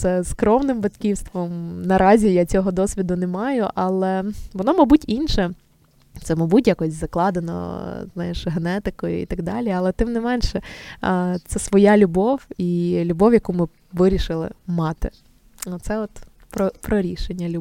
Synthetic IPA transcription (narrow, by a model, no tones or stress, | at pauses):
sɛskɾɔwnɪmbɐt̪kʲiwst̪ʋɔmnɐɾʔɑzʲijat͡sʲɔɦɔd̪ɔsʲʋʲid̪ʊnɛmɑjʊʔɑlˠɛʋɔnɔmɐbutʲinʃɛ | t̪sɛmɐbutʲjakɔsʲzɐklˠɑd̪enɔ̰znɑjɛʃɦenɛt̪ɪkɔjʊ̰ḭt̪ɐɡd̪ɑlʲiɐlˠɛt̪ɪmnɪmɛnʃɛ | t̪sɛsʋɔjalʲʊbɔwilʲʊbɔwjɐkumɪ | ʋɪɾʲiʃɪlˠɪ̰mɑt̪ɪ̰ | ɔt̪sɛɔt̪ | pɾɔpɾɔɾʲiʃenʲːɐlʲʊ